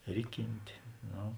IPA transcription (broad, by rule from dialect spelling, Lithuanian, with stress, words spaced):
ˈrʲɪˌkʲɪnʲtʲeː ˈnoː